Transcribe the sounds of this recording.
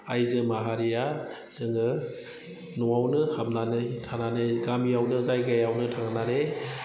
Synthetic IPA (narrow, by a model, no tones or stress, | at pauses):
ajzɯmaɦaɾija | z̥ɯŋɯ | nɔawnɯhabnanɯjtʰananɯɡamiawnɯzajɡajawnɯtʰaŋnaɾe